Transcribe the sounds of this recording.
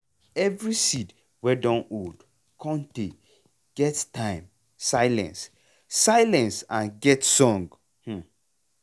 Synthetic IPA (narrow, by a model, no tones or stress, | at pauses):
ɛvɹisid | wɛdɔ̃nod | kʰɔ̃nte | ɡ̥ɛttãɪ̃m | saɪlɛ̰̃ns | sajlɛ̃nsãnɡɛtsɔ̃ŋɡ | h̩